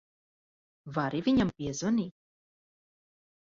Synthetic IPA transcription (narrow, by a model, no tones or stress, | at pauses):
vaɾivʲiɲampʲiɛzɔniː